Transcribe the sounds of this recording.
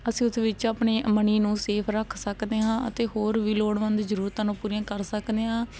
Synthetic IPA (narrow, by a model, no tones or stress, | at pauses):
əsĩːʊt̪ʰeːʋɪt͡ʃaːpɳeːməniːnũːseːpʰɾəkʰsəkd̪eːɦãːə̰t̪eːɦoːɾʋiːloːɽʋə̃nd̪zəɾuːɾt̪ãːnũːpuːɾijãːkəɾsəkd̪eːɦãː